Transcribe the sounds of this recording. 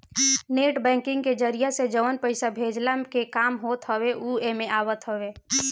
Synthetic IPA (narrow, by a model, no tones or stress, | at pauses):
neʈbɛ̃ŋkɪ̃ŋɡked͡ʒəɾijased͡ʒəʋənpəɪsabʱed͡ʒlakekaːmɦoːt̪ɦəweʔuemẽʔaːwət̪ɦəwe